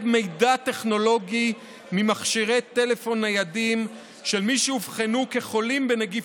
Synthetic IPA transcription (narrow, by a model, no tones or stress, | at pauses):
bme̞jdat̪e̞χno̞lo̞ɡi | mimaχʃiʁet̪e̞le̞fo̞najadim | ʃelmiʃeuvχanuke̞χo̞limbeneɡi